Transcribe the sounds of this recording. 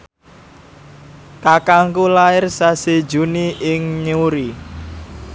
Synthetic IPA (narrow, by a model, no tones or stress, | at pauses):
kakaŋkulaɪrsased̥d͡ʒuniʔɪŋɲuɾi